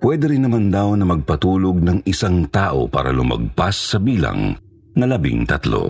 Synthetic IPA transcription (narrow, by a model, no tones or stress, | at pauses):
pwɛːd̪ɛɾɪnːɐmand̪ɐwnɐmɐɡ̚pɐt̪uːloɡ̚nɐŋɪsaŋt̪aːʔo̞̰pa̰ːɾɐ̰lʊmɐ̰ɡ̚pasːɐbiːlɐ̰ŋ | ŋɐlɐbɪ̰ŋt̪ɐt̪lo̞̰